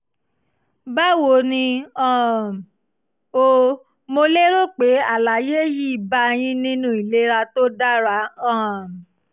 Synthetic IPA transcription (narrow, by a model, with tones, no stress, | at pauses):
ba˦wo˨nĩ˧ɔ̃˦˨ | o˧ | mo˧le˦ɾo˦k͡pe˨˦a˨la˨˦je˦ji˦i˨ba˦j̃ĩ˦nĩ˦nũ˦i˨le˦ɾa˧to˦da˦ɾa˨˦ɔ̃˦˨